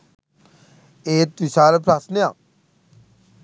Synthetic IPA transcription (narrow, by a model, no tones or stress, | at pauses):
eːt̪isaːlpʰɾasneãː